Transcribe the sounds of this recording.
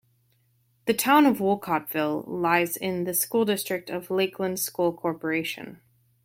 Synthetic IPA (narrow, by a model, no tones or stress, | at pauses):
ðɨtʰãʊ̃nʌvwʊlˠkʰɑtv̥ɪlˠlaɪzɪ̃nðɨskulˠdɪstɹ̥ɨk̚tʰʌvleɪkʰlə̃ndz̥skulˠkʰɔɹpə˞eɪʃɨ̰̃n